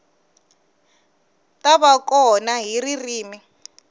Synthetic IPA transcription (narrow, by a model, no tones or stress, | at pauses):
taβakɔnaɦiririːmi